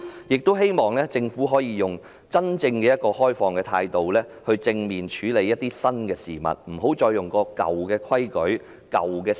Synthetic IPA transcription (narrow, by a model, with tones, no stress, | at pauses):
jɪ˨k̚t̪o˥wɦe˥jmɔː˨ŋlɛː˥t͡sɪ˧ŋfu˨˥ɦɔː˨˥jiː˨˧jʊ˨˩ŋ | t͡sɐ˥nt͡sɪ˧ŋkɛː˧jɐ˥t̚kɔː˧hɔː˥jfɔː˧ŋkɛː˧t̪ʰa̰ː˧jt̪o˨wlɛː˥ | hɵ˧ɥt͡sɪ˧ŋmiː˨nt͡ʃʰyː˨˥le˨˧jːɐ˥t̪̚ːiː˥sɐ˥nkɛː˧siː˨˩mɐ̰˨t̚m̩˨˩ɦo˨˥wt͡ʃɔː˧jːʊ˨ŋkɔː˧kɐ̰˨wkɛː˧kʰwɐ˥jkɵ˨˥ɥ | kɐ̰˨wkɛː˧